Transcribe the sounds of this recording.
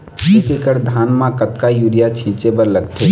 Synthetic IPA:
pikekəɾd̪ʱaːnmãkət̪kajuːɾijat͡ʃʰĩːt͡ʃebəɾləɡt̪ʰe

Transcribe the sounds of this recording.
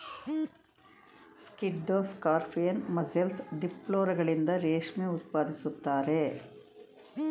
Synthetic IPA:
skiɖːoːskaːɾpʰijɐnmɐzelsɖiploːɾɐɡɐɭind̪ɐɾeːʂmeut̪̚paːd̪isut̪ːaːɾe̞

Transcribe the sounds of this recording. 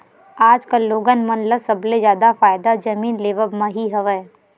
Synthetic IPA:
aːd͡ʒkaloːɡənmɐnləsɐbled͡ʒjaːd̪afaːɪd̪ad͡ʒɐmiːnleːʋəbmãɦiɦɐʋə

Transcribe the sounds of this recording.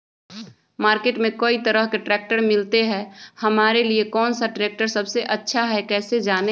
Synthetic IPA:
maːɾkeːʈmẽkoːit̪əɾəɦkeʈɾɛːk̚ʈəɾmɪlt̪eɦɛhɐmaːɾeliekɔːnsaɖɾeːk̚ʈəɾsɐbseʔɐtːʃʰaɦɛkɛːsed͡ʒaːne

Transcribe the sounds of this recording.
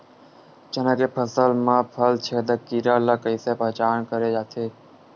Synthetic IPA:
t͡ʃənãːkeːpʰəsəlmãːpʰəlt͡ʃʰeːd̪əkiːɾaːlaːkəɪseːpəːt͡ʃaːnkəɾeːd͡ʒaːt̪ʰeː

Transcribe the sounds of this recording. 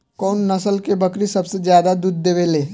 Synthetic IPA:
kɔːnːɐsəlkebəkɾisɐbsed͡ʒjaːd̪ad̪uːd̪̚ːeːʋeːleː

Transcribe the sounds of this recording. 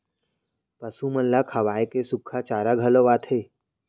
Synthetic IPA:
pəsuməlːakʰaʋaːekesukʰat͡ʃaːɾaɡʱəloʋat̪ʰe

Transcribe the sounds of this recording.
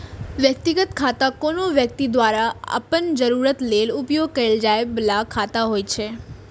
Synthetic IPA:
ʋjək̚t̪iɡət̪kʰat̪akonoʋjək̚t̪id̪ʋaɾaa̰pənd͡ʒəɾuɾət̪lelupjoɡ̚kəeld͡ʒajblakʰat̪aɦojt͡ʃʰe

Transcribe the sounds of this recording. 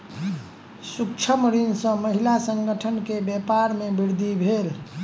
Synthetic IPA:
sukt͡ʃʰəmɾinsə̃məɦilasəŋɡəʈʰənkebepaɾmebiɾd̪ʱibʱel

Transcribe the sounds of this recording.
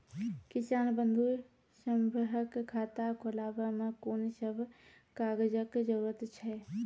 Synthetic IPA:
kisaːnbənd̪ʱu | səmbʱəɦəkkʰːat̪akʰolabəmekonisəbʱ | kaɡəd͡ʒəkd͡ʒəɾuɾət̪t͡ʃʰɛ

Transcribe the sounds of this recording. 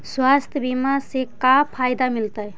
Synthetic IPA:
swast̪ʰjəbimasekapʰajd̪amilt̪əj

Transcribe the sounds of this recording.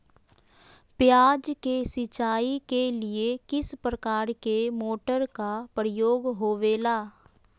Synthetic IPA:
pjaːd͡ʒkesɪt͡ʃaːikeliekɪspɾəkaːɾkemoːʈəɾkapɾəjoːɡɦoːʋeːlaː

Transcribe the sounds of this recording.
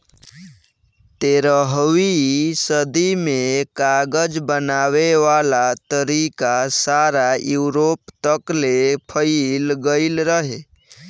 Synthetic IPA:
t̪eɾəɦwisəd̪imekaɡəd͡ʒbənaweʋalat̪əɾikasaɾajuʊɾopt̪əklepʰəɪlɡəɪlɾəɦe

